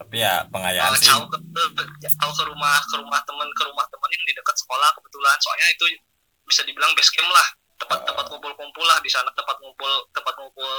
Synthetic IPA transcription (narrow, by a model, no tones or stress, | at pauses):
apijapəŋajaa̰t͡ʃaukəbət͡ʃaukəɾumahkəɾumaht̪əmənkəɾumaht̪əmənjaŋdidəkət̪̚sə̥kolakəbət̪ulansoa̰ɲait̪u | bisadibilaŋbɛskɛmlah | t̪əmpat̪ːəmpat̪̚kobʊlkumpʊlahdisanat̪əmpat̪̚kumpʊlt̪əmpat̪̚ŋobʊl